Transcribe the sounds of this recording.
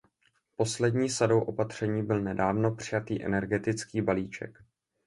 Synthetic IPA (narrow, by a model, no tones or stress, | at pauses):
po̞slɛdɲiːsadowʔo̞pat̪r̝̥ɛɲiːbɪlnɛdaːvno̞pr̝̥ɪjat̪iːʔɛ̰nɛɾɡɛt̪ɪt͡skiːbaliːt͡ʃɛ̰k